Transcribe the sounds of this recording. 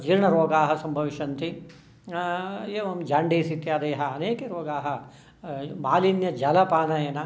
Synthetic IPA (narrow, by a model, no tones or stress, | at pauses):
d͡ʒiɾɳɐɾoːɡaːɦɐ̆sɐmbʱɐʋiʃɐnt̪i | jeːʋɐmd͡ʒaːɳɖʱiːsit̪jaːd̪eːɦɐɐneːkeɾoːɡaːɦɐ̆ | maːlinjɐd͡ʒɐlɐpaːnɐjeːnɐ